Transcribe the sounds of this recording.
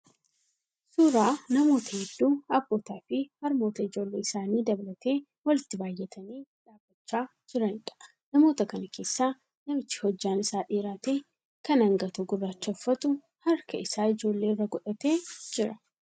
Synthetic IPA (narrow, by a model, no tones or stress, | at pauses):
suːɾaːnɐmo̞ːt̪ɐhɛd̪ːuːɐbːo̞ːt̪aːfɪhɐɾmo̞ːt̪ɐɪd͡ʒo̞ːlːe̞ːɪsaːniːd̪ɐbɐlɐt̪e̞ː | wɐlɪt̪ːɪbaːjːɛt̪ʰɐniːᶑaːbːɐt͡ʃːaː | d͡ʒɪɾɐnᶑɐ̥ | nɐmo̞ːt̪ɐkɐnɐkʰe̞ːsːaː | nɐmɪt͡ʃːɪ̥hɔd͡ʒːaːnɪsaːᶑeːɾaːt̪e̞ː | kɐnɐŋɡɐt̪ʊɡʊrːaːt͡ʃːɐfːɐt̪ʊ | hɐɾkɐɪsaːɪd͡ʒo̞ːlːe̞ːrːɐɡɔᶑɐt̪eːd͡ʒɪɾɐ